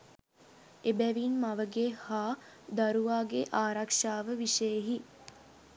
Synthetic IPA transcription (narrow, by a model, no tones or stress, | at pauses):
ebæʋinmaʋəɡehaː | d̪aɾuʋaːɡeʔaːɾɐkʂaːʋəʋiʃəjeɦi